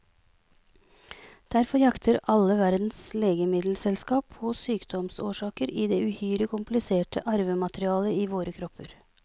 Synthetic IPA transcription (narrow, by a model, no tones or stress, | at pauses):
d̪̥æɾfɔɾjɑkt̪ʰəɾɑlːəʋæɾd̪n̩sleːɡəmɪd̪l̩sɛlskɑːpʰɔːsyːkd̪ɔmsoːʂɑːkəɾiːd̪eːʉhyːɾəkʰʊmplɪseːʈəʔɑɾʋəmɑt̪ɾɪɑːləiːʋoːɾəkʰɾɔpʰːəɾ